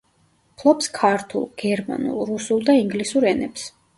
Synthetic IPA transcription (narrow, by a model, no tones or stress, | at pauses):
pʰlˠɔpskʰaɾt̪ʰṵlˠɡ̥ɛɾma̰nṵlˠɾusulˠd̪aiŋɡlisuɾɛnɛps